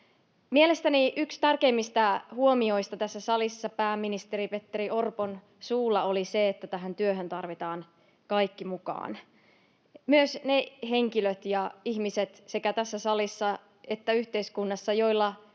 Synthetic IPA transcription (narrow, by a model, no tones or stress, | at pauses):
miele̞st̪æniʔykst̪ærke̞imːist̪æhuomio̞ist̪ɑt̪æsːæsɑlisːɑpæːmːinist̪e̞ɾipe̞t̪ːeɾiʔo̞rpon | suːlːɑoliseet̪ːæt̪æɦænt̪yøɦønt̪ɑrʋit̪ɑːn | kɑjkːimukɑ̰ːn | myøsneɦeŋkiløt̪jɑiçmiset̪se̞kæt̪æsːæsɑlisːɑ | et̪ːæyht̪eiskunːɑsːɑjo̞ilːɑ